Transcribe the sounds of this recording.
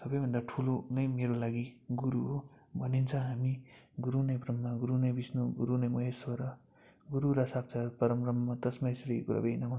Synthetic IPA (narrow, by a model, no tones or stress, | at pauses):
sʌbʌjbʱʌnd̪aʈʰulonʌjmeɾolaɡiɡuɾuɦobʱʌnint͡sʰʌ̃ɦamiɡuɾunʌjbrʌmːaɡuɾunʌjbisnoɡuɾunʌjmʌɦesʌɾʌ | ɡuɾuɾʌsak̚t͡sʰʌpʌɾʌmrʌmːʌt̪ʌsmaesɾikuɾʌ̰bejnʌmʌ